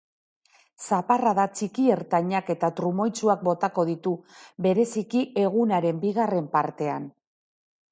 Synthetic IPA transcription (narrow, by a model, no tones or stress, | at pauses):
saparaðat͡ʃikie̞ɾt̪aɲake̞t̪at̪ɾumo̞jt͡suak̚bo̞t̪ako̞ðit̪ube̞ɾe̞sikiʔe̞ɣ̞unaɾe̞mbiɣ̞are̞mpaɾt̪e̞an